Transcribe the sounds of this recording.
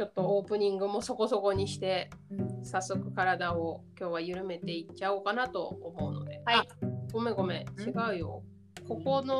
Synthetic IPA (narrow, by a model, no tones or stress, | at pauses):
t͡ɕo̞t̪ːo̞oːpɯ̟ɲ̟ĩŋɡɯ̟mo̞so̞ko̞so̞ko̞ɲ̟iɕi̥t̪e̞sasːo̞kɯ̟̥kaɾad̪aokʲo̞ːβajɯ̟ɾɯ̟me̞t̪e̞it͡ɕaokanat̪o̞̰ːmo̞ɯ̟no̞̰d̪e̞aaɡ̥o̞me̞ɡo̞me̞t͡ɕiɡaɯ̟jo̞̰ | ko̞ko̞no